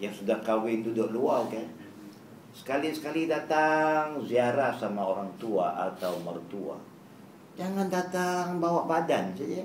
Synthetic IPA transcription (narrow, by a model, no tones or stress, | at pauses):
jaŋsudahkawɪndudʊʔluakan | sə̥kalisə̥kalidat̪aŋziaɾahsamaoɾaŋt̪ua̰ʔa̰t̪awmərt̪ua̰ | d͡ʒaŋandat̪aŋbawaʔbadansad͡ʒa